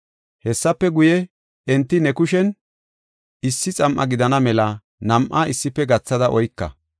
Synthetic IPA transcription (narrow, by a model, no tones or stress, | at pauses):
hɛsːɐpːɛɡʊjɛ | ɛnt̪ːɪnɛkʊʃɛn | ɪsːɪt͡sʼɐmʔɐ̰ɡɪd̪ɐnɐmɛlɐ | nɐmʔaːɪsːɪpːɛɡɐt͡sːɐd̪ɐʔɔjkːɐ̰